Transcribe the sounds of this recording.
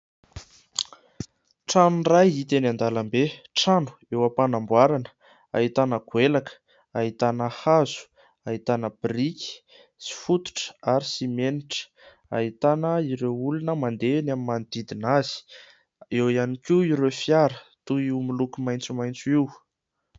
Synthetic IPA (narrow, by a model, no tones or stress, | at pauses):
ʈ͡ʂanunrajit̪enand̪alambeʈ͡ʂanu̥ewapanambwaɾanə̥ | aɦit̪anəkwelakə̥ | ait̪anəhazu̥ | ait̪anəbrikʲi̥ | si̥fut̪u̥ʈ͡ʂə̥aɾisimeniʈ͡ʂə̥ | a̰ɦit̪anəiɾeulunəmand̪enamimand̪̥id̪inaz̥i̥ | ewianikʲiiɾefjaɾə̥t̪uiwmilukumajnt͡sumajnt͡suiw